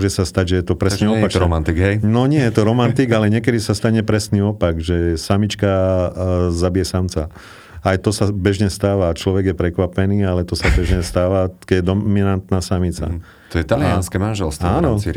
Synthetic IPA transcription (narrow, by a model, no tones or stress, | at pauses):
ɔʒɛsast̪aɟʒɛjɛt̪ɔpɾɛsniɔpaɾɔmant̪iɡɦɛjnɔɲɪɛjɛt̪ɔɾɔmant̪iɡalɛɲɪɛkɛd̪isast̪aɲɛpɾɛsniːɔpaɡʒɛsamit͡ʃka | zabijɛsamt͡sa | ajt̪ɔsabɛʒɲɛst̪aːʋaːt͡ʃlɔʋɛɡjɛpɾɛkʋapɛniːalɛt̪ɔsabɛʒɲɛst̪aːʋakɛɟɛd̪ɔminant̪naːsamit͡sa̰ | t̪ɔjɛt̪alianskɛmanʒɛlst̪aːnɔi